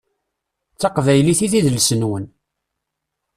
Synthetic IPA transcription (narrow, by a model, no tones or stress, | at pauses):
t͡sːɑqvæjliθiθiðəlsənwən